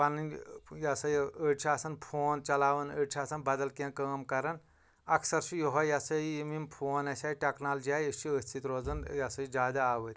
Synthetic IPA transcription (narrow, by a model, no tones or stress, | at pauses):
pɐnnjɐsɐjəʈt͡ʃʰiaːsɐnpʰoːnt͡ʃɐlaːʋɐnəʈt͡ʃʰiaːsɐnbɐd̪ɐlkẽnkəːmkɐɾɐn | ɐksɐɾʃʰijoɦɐjɐsɐjijimimpʰoːnɐsʲaːjiʈʲɐknaːld͡ʒiaːjət͡ʃʰiəsʲt̪ʰit̪ɾoːd͡zɐnjɐsɐid͡ʒaːd̪aaːʋəɾʲ